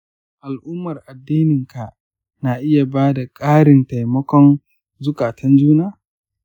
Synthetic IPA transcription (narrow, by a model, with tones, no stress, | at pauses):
ʔa˨lʔʊ˦mːɐ˨rʔa˨dːiː˦nɪ˨ŋka˨ | na˨ʔɪ˦ja˨baː˦da˨kʼaː˦ɽɪ˨nta˨jmɐ˦kʷɔ˦n | zʊ˦kaː˨tʰɐ˦nd͡ʒuː˦naː˦